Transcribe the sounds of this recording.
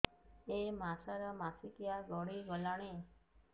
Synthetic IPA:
emasaɾɔmasikjaɡɔɽiɡɔlaɽ̃e

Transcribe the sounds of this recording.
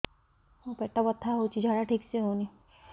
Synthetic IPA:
opɛʈabɔt̪ʰːaɦowt͡ʃʰid͡ʒʱaɽaʈʰikseɦowni

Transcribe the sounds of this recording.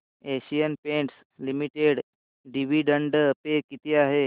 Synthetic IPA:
eɕijənpẽɳʈs | limiʈeɽ | ɖiʋiɖəɳɖəpekit̪iaɦe

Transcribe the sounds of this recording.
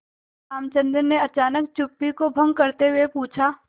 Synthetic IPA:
aːmt͡ʃə̃nd̪əɾneɐt͡ʃaːnək̚t͡ʃʊpːikobʱɐ̃ŋɡ̚kɐɾt̪eɦʊwepuːt͡ʃʰaː

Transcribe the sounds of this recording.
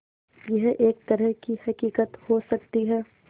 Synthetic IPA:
jɛɦeːk̚t̪ɐɾəɦkihɐkiːkət̪hosɐk̚t̪iɦɛː

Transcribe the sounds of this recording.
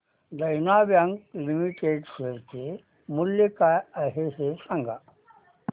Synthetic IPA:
d̪ɐjnaːʋjaŋɡlimiʈeːɖseɾke | muljekaɐɦeɦesɐ̃ŋɡa̰

